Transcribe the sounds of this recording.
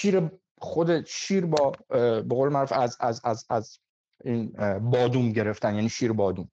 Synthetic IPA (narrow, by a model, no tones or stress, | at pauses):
ʃiːɾe | xo̞d̪eʃiːɾbɒːbeɣolemæɾufæzæzæzæz | iːnbɒːd̪umɟe̞ɾe̞ft̪ænjæːniːʃiːɾebɒːd̪um